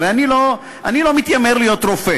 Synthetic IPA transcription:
veanilo | anilo̞mit̪jameʁlijo̞t̪ʁofe

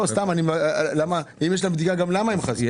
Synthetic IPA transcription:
ost̪amanimalamaimjeʃ̬labd̪iɡaɡamlamaemχazi

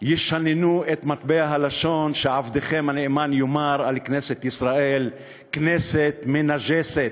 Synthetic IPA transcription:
jɪʃhanɪnuʔet̪mat̪beaɦalaʃoːnʃeʕavd̪exemanɪʔmaːnjʊmaɾʕalkneːset̪ʔɪsɾaʔeːl | kneːset̪mɪnaʒeːset̪

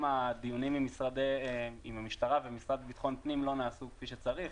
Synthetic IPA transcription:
mad̪ijunimimisʁad̪eimamiʃtaʁavemisʁad̪bit̪χo̞npnimlo̞naːsukfiʃet͡saʁiχ

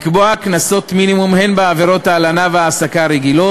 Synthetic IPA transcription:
kboaknaso̞tminimumhe̞nbeaveɾo̞taːlanaveaːsakaɾeɡilo̞

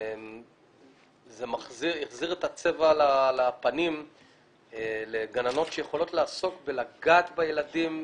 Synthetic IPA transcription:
m | zemaχziʁjiχziʁet̪at͡se̞valalapanim | leɡanano̞tʃejeχo̞lo̞tlaaso̞kbelaɡaːt̪bajeladim

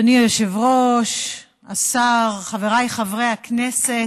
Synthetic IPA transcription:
nijoʃevʁoʃ | asaʁχaveʁajχavʁejaknese

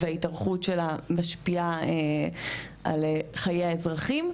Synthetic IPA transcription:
veaitaʁχutʃelamaʃpiae | ʔa̰leχajejaezʁaχim

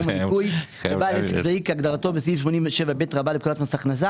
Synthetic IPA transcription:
maiuj | ebalesekzaikaɡd̪aʁato̞besvifʃmonimveʃevabetʁabalep̚kulatmasaχnaza

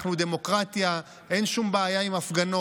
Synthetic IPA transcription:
χnud̪e̞mo̞kʁat̪ja | ʔe̞nʃumbeːjaimafɡano

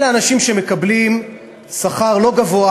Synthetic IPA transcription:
leanaʃimʃe̞me̞kablim | saχaʁlo̞ɡavoa

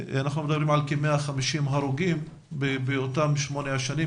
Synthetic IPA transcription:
anaχnumed̪abʁimʕalkemeaχamiʃimɦaɾuɡim | bebeotamʃmoneaʃani

